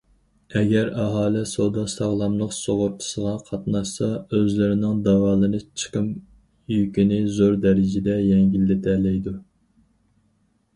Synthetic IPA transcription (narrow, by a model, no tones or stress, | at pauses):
ɛɡʲɛɾɑɦɑːlˠɪsod̪ɑsɑʁlˠɑmlˠəqsoʁʊp̚t̪ʰɨ̥səʁɑqʰɑt̪nɑʃsɑøzlɪɾɪnɪŋd̪ɑwɑːlˠɨnɨt͡ʃʰə̥qəm | jykʲinɪzoɾd̪ɛɾɪd͡ʒɪd̪ɛjɛŋɡʲilːɪt̪ʰɛlɛjd̪u